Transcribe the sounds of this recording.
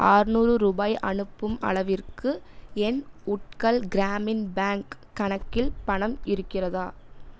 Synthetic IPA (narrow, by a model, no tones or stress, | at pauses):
ʔaːɾnuːrɯɾuːbaːjʔɐ̰ɳɯpːɯmɐ̰ɭɐʋɪrkɯ | ɛnʊʈ̚kɐlɡɪɾaːmɪnbaːŋkːɐɳɐkːɪlpɐɳɐmɪɾɯkːɪrɐðaː